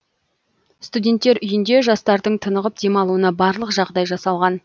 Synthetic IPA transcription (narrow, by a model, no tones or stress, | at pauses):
st̪udʲe̞nt̪ːe̞ɾʏjɪnd̪e̞ʒɑst̪ɑɾd̪əɴt̪ʰənəʁəp̚d̪e̞mɑlˠuənɑbɑɾlˠəqʒɑʁd̪ɑjʒɑsɑlˠʁɑn